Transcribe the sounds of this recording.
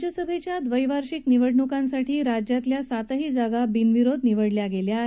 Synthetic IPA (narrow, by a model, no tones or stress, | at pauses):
d͡ʑjəsəbʱet͡ɕjad̪ʋəjʋaɾɕikniʋəɽɳukansaʈiːɾad͡ʑjat̪ljasat̪əɦiːd͡zaɡabinʋiɾod̪niʋəɽljaɡelja